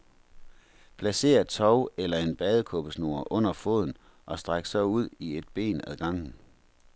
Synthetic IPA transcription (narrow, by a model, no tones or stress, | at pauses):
pʰlæse̝̰ːɐt͡sʰɒʊelɐe̝nb̥ɛːð̞ˠəkʰɔ̽b̥əsno̝̰ːɐʔɔ̽n̰ɐfo̝̰ːð̞̰ˠn̩ | ʔɒ̽sd̥ʁaɡ̥sɒ̽uð̞̰ˠie̝d̥̚b̥e̝̰ːnæðˠɡ̥ɑ̈ŋ̰n̩